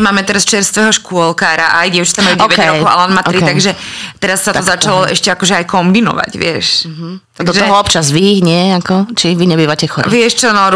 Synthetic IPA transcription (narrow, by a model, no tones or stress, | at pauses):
maːmɛt̪ɛɾast͡ʃɛɾst̪ʋɛɦɔʃkʊɔlkaːɾaʔaajɟɛʊt͡ʃit̪amalud̪ʋɛɾɔɦɔʔa̰lanmat̪ɾit̪aɡʒɛt̪ɛɾasːat̪ɔzat͡ʃalɔʔɛʃcɛakɔʒɛajkɔmbinɔ̰ʋa̰ɟʋɪɛʃɦt̪d̪ɔʒɛɔɦɔɔpt͡ʃazʋiːɣɲɪɛakɔt͡ʃiʋiɲɛbiːʋacɛxɔʋɪɛʃt͡ʃɔnɔɾ